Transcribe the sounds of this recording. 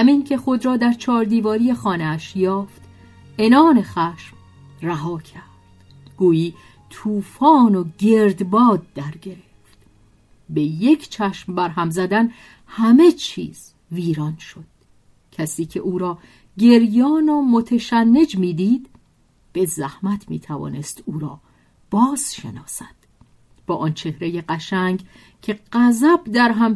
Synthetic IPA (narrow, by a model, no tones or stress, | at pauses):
hæmiːncʰe̞χo̞d̪ɾɒːd̪æɾt͡ʃʰɒːɾd̪iːvɒːɾije̞xɒːneæʃjɒːft̪ | e̞nɒːne̞χæːʃm | ræɦɒːkʰæɾd̪̥ | ɡ̥uːjiː | t̪ʰuːfɒːnoɟe̞ɾd̪bɒːd̪̚ːæɾɟe̞ɾeft̪ | beje̞cʰt͡ʃʰæʃmbæɾɦæmzæd̪æn | hæme̞t͡ʃʰḭːz̥ | viːɾɒnʃod̪̥̚ | cʰæsiːcʰe̞̰ʔuːɾɒː | ɟe̞ɾjɒːnomot̪ʰeʃænːe̞d͡ʒmiːd̪iːd̪ | b̥e̞zæhmæt̪ʰmḭːt̪ʰævɒ̰ːne̞st̪uːɾɒː | b̥ɒːz̥ʃe̞̰nɒːsæd̪̥ | b̥ɒːʔɒnt͡ʃʰe̞hɾejeɢæʃæŋɡ | cʰe̞ɢæzæbd̪æɾɦæm